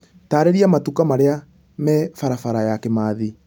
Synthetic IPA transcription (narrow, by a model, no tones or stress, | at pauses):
taːɾeɾiamatukamaɾea | mɛfaɾafaɾajakemaːði